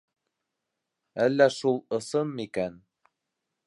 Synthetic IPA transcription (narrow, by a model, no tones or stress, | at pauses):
ælːæʃulˠɤ̆sɤmːikæn